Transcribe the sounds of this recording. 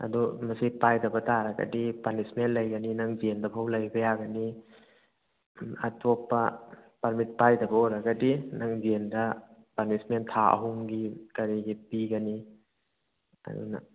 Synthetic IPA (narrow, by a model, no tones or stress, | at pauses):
ɐ̰dumɐsipajdɐbɐtaɾaɡɐ̰dipanismentlɐjɡɐninaŋziendɐpʰawlajbɐjaɡɐni | a̰tʰopːɐpɐɾmit̚pajdɐbɐoɾɐɡɐdinaŋzendɐ | panismentʰaɐ̰ɦuŋɡikaɾiɡipiɡɐni | ɐ̰dṵna̰